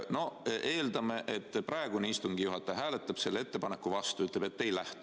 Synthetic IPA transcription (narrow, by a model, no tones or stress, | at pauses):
no̞ʔe̞ːld̪ɑme̞ʔet̪ːprɑe̞ɡ̥uneist̪uŋɡ̥ijuɦɑt̪ːˑɑjɦæːle̞t̪ːˑɑb̥se̞lːee̞t̪ːe̞pɑnekːuvɑst̪uyt̪le̞b̥e̞t̪ːe̞jlæht̪u